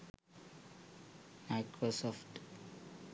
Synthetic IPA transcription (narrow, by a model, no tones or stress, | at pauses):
maɪkɾosɔfʈ